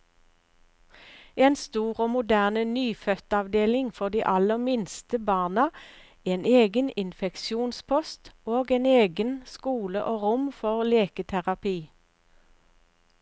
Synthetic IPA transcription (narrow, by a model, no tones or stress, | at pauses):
eːnst̪uːʁoːmʊd̪æːʁnənyːfœt̪ɑʋd̪eːlɪŋfɔʁd̪iːʔɑləʁmɪnst̪əbɑːʁnɑ | eːneːɡənɪnfɛkʃuːnspʰɔst̪oːɡeːneːɡənskuːləʔoːʁʊmfɔʁleːkət̪ʰæʁɑpiː